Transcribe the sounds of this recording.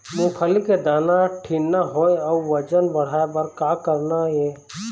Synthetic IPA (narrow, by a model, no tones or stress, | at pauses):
mũkʰəliked̪aːnaʈʰinːaɦoːeɔʋəd͡ʒənbəɽ̤aːebəɾkaːkəɾnajeː